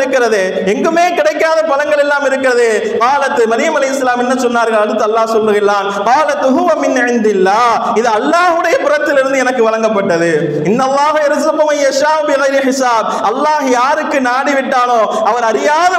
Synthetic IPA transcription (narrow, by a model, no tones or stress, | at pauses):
ɾɯkːɪɾɐðeː | ɛŋɡɯmeːkɪɽɐɪkːaːðɐpɐlɐŋɡɐɭɛlːaːmɪɾɯkːɪɾɐðɯ | qaːlɐt̪ːɯmɐðɪjɐmɐlɐɪɦɪsːɐlaːmɛnːɐsɔnːaːɾɣɐɭɐɽɯt̪ːɯɐlːaːsɔlʋɯɣɐɭlaːn | qɑːlɐt̪ʊɦʊʋɐmɪnʕɪnd̪ɪlːaː | ɪðɯɐlːaːɦɯɽɐjɐpɪrɐt̪ːɪlɪɾɯnd̪ɯɛnɐkːɯʋɐlɐŋɡɐpːɐʈːɐðɯ | ɪnːɐlˠːaːɦɐɐɾzɐqʊmɐjːɐʃaːʔʊbɪɣɐɪɾɪħɪsaːb̚ʔɐlːaːɦjaːɾɯkːɯnaːɽɪʋɪʈːaːnoː | ɐʋɐɾɐɾɪjaːðɐ